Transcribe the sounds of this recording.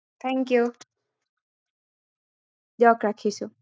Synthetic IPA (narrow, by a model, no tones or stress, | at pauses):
t̪ʰɛ̃ŋkju | jɔkɾakʰisu